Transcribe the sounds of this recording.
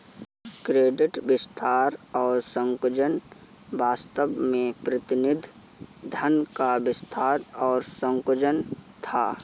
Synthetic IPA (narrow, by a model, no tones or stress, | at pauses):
kɾeːɖɪʈbɪst̪ʰaːɾɔːɾsə̃ŋkʊd͡ʒən | baːst̪əbmẽpɾət̪ɪnɪd̪ʱ | d̪ʱənkabɪst̪ʰaːɾɔːɾsə̃ŋkʊd͡ʒənt̪ʰa̰ː